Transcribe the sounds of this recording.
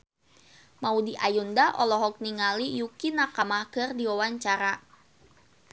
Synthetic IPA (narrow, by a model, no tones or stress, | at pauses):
maudiʔajundaʔɔlɔɦɔk̚niŋalijukinakamahkɨrdiwawaɲt͡ʃaɾa